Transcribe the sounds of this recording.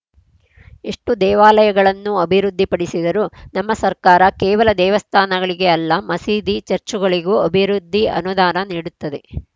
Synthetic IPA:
eʂʈud̪ɛːʋaːlɐjɐɡɐɭɐnːuɐbʱiɾud̪ːipɐɽisid̪ɐɾunɐmːɐsɐɾkaːɾɐkɛːʋɐlɐd̪ɛːʋɐst̪ʰaːnɐɡɐɭiɡe̞ɐlːɐmɐsiːd̪it͡ʃɐɾt͡ʃuɡɐɭiɡuːɐbʱiɾud̪ʱːiɐ̰nud̪aːnɐniːɽut̪ːɐd̪e̞

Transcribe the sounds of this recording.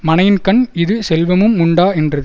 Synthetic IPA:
mɐnɐjɪnkɐɳɪðɯsɛlʋɐmɯmʊɳɖaːɛndrɐð

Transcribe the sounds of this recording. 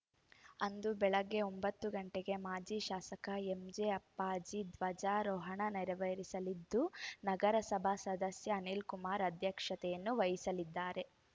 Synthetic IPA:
ɐnd̪ubɛɭɐɡːe̞ombɐt̪ːuɡɐɳʈeɡe̞maːd͡ʒiʃaːsɐkɐemd͡ʒeɐpːaːd͡ʒid̪ʋɐd͡ʒaːɾɔːɦɐɳɐniɾɐʋɐɾisɐlid̪ːunɐɡɐɾɐsɐbʱaːsɐd̪ɐsjɐːnilkumaːɾɐd̪ʱjɐkʂɐt̪ɛjɐnːuʋɐjisɐlid̪ːaːɾe̞

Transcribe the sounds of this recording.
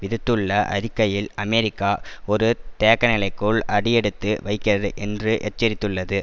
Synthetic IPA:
ʋɪðɯt̪ːɯɭːɐʔɐ̰ɾɪkːɐjɪlɐmɛɾɪkːaːɔɾɯt̪eːkɐnɪlɐɪkːʊɭɐɽɪjɛɽɯt̪ːɯʋɐɪkːɪrɐɾɯʔɛndrɯʔɛrt͡ʃːɐɾɪt̪ːɯɭːɐðɯ

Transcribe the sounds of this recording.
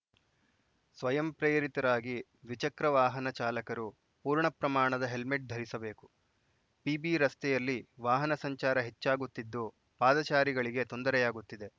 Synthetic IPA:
sʋɐjɐmpɾeːɾit̪ɐɾaːɡi | ʋit͡ʃɐkɾɐʋaːɦɐnɐt͡ʃaːlɐkɐɾu | puːɾɳɐpɾɐmaːɳɐd̪ɐɦe̞lmiʈ̚d̪ʱɐɾisɐbe̞ːku̥ | pibiɾɐst̪ɛjɐlːiʋaːɦɐnɐsɐɲt͡ʃaːɾɐɦe̞t͡ʃːaːɡut̪ːid̪ːu | paːd̪ɐt͡ʃaːɾiɡɐɭiɡe̞t̪o̞nd̪ɐɾɛjaːɡut̪ːid̪e̞

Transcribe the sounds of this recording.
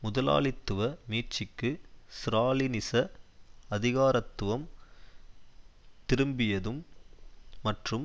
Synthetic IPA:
mʊðɐla̰ːɭɪt̪ːɯʋɐmiːt͡ʃɪkːɯsɾaːɭɪnɪsɐɐðɪɣaːɾɐt̪ːɯʋɐm | t̪ɪɾɯmbɪjɐðɯmː | ɐʈrɯm

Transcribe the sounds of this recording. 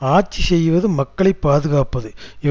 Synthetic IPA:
aːʈ̚t͡ʃːisɛjːɯʋɐðɯmɐkːɐɭɐɪpːaːðɯɣaːpɐðɯɪ

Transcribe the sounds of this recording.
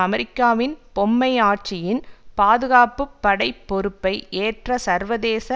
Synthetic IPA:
ɐmɛɾɪkːaːʋɪnpɔmːɐɪaːʈ̚t͡ʃɪjɪnpaːðɯɣaːpɯpːɐɽɐɪpːɔɾɯpːɐɪʔeːʈrɐsɐɾʋɐðeːsɐ

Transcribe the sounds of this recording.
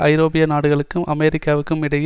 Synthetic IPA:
ɐɪɾoːbɪjɐnaːɽɯɣɐɭɯkːɯmʔɐmeːɾɪkːaːʋɯkːɯmɪɽɐj

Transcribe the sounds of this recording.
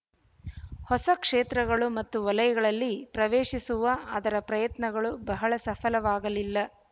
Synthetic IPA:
hɔsɐkʂeːt̪ɾɐɡɐɭumɐt̪ːuʋɐlɐjɐɡɐɭɐlːipɾɐʋeːʂisuʋɐːd̪ɐɾɐpɾɐjɐt̪nɐɡɐɭubɐɦɐɭɐsɐfʰɐlɐʋaːɡɐlilːɐ

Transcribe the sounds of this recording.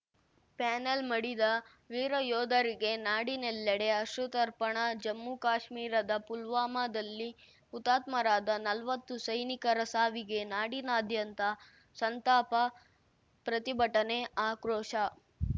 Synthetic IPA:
pɛːnɐlmɐɽid̪ɐ | ʋiːɾɐjɔːd̪ʱɐɾiɡe̞naːɽinelːɛɽeɐʃɾut̪ɐɾpɐɳɐd͡ʒɐmːukaːʃmiːɾɐd̪ɐpulʋaːmaːd̪ɐlːi | ut̪aːt̪mɐɾaːd̪ɐnɐlʋɐt̪ːusɐjnikɐɾɐsaːʋiɡe̞naːɽinaːd̪jɐnt̪ɐ | sɐnt̪aːpɐ | pɾɐt̪ibɐʈɐneaːkɾɔːʂɐ

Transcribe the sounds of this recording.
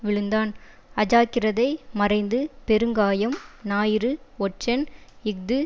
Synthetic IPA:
ʋɪɭɯnd̪aːn | ɐd͡ʒaːkɪrɐðɐɪmɐrɐɪnd̪ɯpɛɾɯŋɡaːjɐmnaːjɪɾɯɔʈ̚t͡ʃːɐnɪk̚d̪ɯ

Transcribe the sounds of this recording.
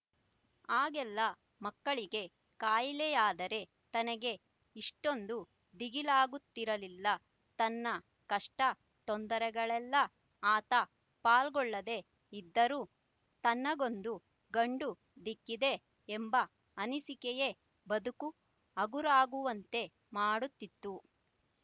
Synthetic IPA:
aːɡɛlːɐ | mɐkːɐɭiɡe̞ | kaːjilɛjaːd̪ɐɾe̞ | t̪ɐnɐɡe̞ | iʂʈo̞nd̪u | d̪iɡilaːɡut̪ːiɾɐlilːɐ | t̪ɐnːɐ | kɐʂʈɐ | t̪ɔnd̪ɐɾɛɡɐɭɛlːɐ | aːt̪ɐ | paːlɡɔɭːɐd̪e̞ | id̪ːɐɾuː | t̪ɐnːɐɡo̞nd̪u | ɡɐɳɖu | d̪ikːid̪e̞ː | mbɐ | ɐnisikɛje̞ | bɐd̪uku | ɐɡuɾaːɡuʋɐnt̪e̞ | maːɽut̪ːit̪ːu

